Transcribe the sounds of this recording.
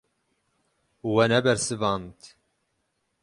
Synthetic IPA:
wɛnɛbɛɾsɨvɑːnt̪

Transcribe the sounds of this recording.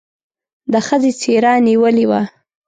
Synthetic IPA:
d̪əxəzet͡seɾɑniwəliwa

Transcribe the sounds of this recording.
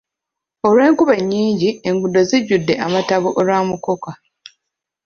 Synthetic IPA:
o̞lwe̞ːŋkuβeɲːiːɲɟieŋɡudːo̞ziɟːudːe̞ʔamataβoʔolwaːmuko̞ka

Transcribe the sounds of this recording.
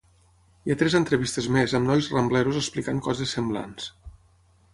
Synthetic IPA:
iat̪ɾɛzənt̪ɾəβist̪əzmezəmnɔjzrəmblɛɾuzəsplikaŋkɔzesːəmbla̰ns

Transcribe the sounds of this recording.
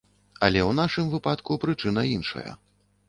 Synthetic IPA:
ɐlʲɛwnaʂɨmvɨpat̪kupɾɨt͡ʂɨn̪ɐinʂɐ̰jɐ̰

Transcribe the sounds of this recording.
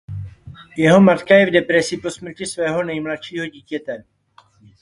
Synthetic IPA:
jɛɦo̞mat̪kajɛvdɛpɾɛsɪposmr̩cɪsvɛːɦo̞nɛjmlat̪ʃiːɦo̞ɟiːcɛt̪ɛ

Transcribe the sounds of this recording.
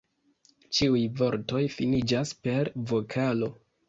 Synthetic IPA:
t͡ʃiujvo̞ɾto̞jfinid͡ʒaspe̞ɾvo̞kʰalo̞

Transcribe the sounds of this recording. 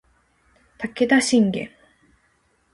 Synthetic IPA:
t̪akːed̪aɕiŋɡḛ

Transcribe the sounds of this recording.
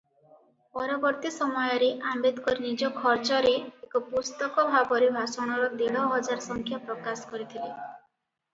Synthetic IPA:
pɔɾɔbɔɾt̪isɔmɔjɔɾeʔambed̪kɔɾinid͡ʒɔkʰɔɾt͡ʃɔɾeːkɔpust̪ɔkɔbʱabɔɾebʱasɔɽ̃ɔɾɔd̪eɭɔɦɔd͡ʒaɾɔsɔŋkʰjapɾɔkasɔ̥kɔɾit̪ʰile

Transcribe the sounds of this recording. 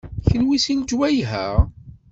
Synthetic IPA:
çənwisind͡ʒwæjɦæ̰ʁ

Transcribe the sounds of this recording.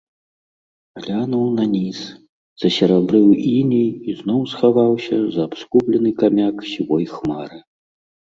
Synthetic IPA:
ɣlʲanuwnɐnʲis | z̥ɐsʲɐɾabɾɨwinʲijiznɔwsxavawsʲɐzɐːpskuplʲɛnɨkamʲaksʲivɔjxmaɾɨ

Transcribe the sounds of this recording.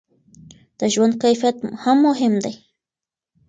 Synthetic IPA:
d̪̥aʒwankajfat̪hamːoɦɪmd̪aj

